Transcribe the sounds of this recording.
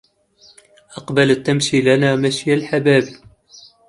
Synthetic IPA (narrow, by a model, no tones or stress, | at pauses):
ʔɑqbalət̪ːamʃilanamaʃjalħabæːbi